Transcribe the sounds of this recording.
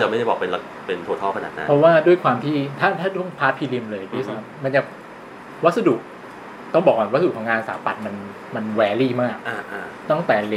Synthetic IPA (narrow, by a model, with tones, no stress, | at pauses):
t͡ɕa˨˩ma˥˩jda˥˩jbɔː˨˩kpe˧nla˧ | pe˧nt̪ʰoː˧t̪ʰɔː˥˩ka˧naː˨˩t̪na̰˦˧˦pʰɔ˦˥waː˥˩du˥˩əjkʰwaː˧mt̪ʰiː˥˩t̪ʰaː˥˩t̪ʰaː˥˩t̪ʰu˥˩əŋpʰaː˦˥pʰiː˧li˧mlɤː˧jpʰi˦˥˩a˦˥˩mːma˧nt͡ɕa˨˩ | wa˦˥t̪̚sa˧du˨˩k̚ | t̪ɔ˥˩ŋbɔː˨˩k̚a˨˩wskʰːŋaː˧nsa̰ː˩˦mpa˨˩t̪̚ma˧n | ma˧nwɛː˧liː˥˩maː˥˩k̚ʔaː˧ʔa˧t̪ɔ˥˩ŋt̪ɛː˨˩le˧